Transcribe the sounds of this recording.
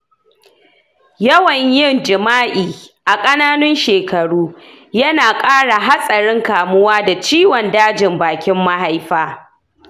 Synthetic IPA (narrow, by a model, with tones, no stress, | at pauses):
jɐ˦wɐ˨ɲjɪ˦˨nd͡ʒɪ˨maː˦ʔiː˨ʔa˨kʼɐ˦naː˦nʊ˦nʃeː˨kɐ˨ɽuː˦ | jɐ˦naː˨kʼaː˦ɽa˨ɦa˦sʼɐ˨ɽɪ˦ŋkaː˨mʊ˦waː˦da˨t͡ʃiː˦wɔ˨ndaː˦d͡ʒɪ˨mbaː˨kʲɪ˦mːa˦ha˦jɸaː˦